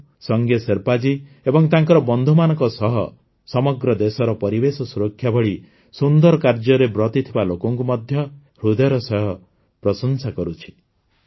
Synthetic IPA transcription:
sɔŋɡjɔseɾpad͡ʒi | ebɔŋt̪aŋkɔɾɔbɔnd̪ʱumanɔ̃ŋkɔsɔɦɔ | sɔmɔɡɾɔd̪esɔɾɔpɔɾibesɔsuɾɔkʰːjabɔɭi | sund̪ɔɾɔkaɾd͡ʒɔɾebɾɔt̪it̪ʰibalokɔŋkumɔd̪ʱjɔ | ɾud̪ɔjɾɔsɔjɔ | pɾɔsɔnsakɔɾut͡ʃʰi̥

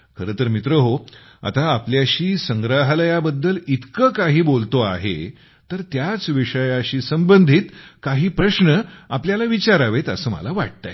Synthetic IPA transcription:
kʰəɾəːt̪əɾmit̪ɾəɦo | a̰t̪aːpljaɕiːsəŋɡɾaɦləjabəd̪ːəlit̪kəkaɦiːbolt̪oa̰ɦḛ | t̪əɾt̪jat͡sʋiʂəjaɕiːsəmbənd̪ʱiːt̪kaɦiːpɾəɕɳəapljalaʋit͡ɕaɾaʋet̪ə̰səːmə̰laʋa̰ʈ̚t̪a̰

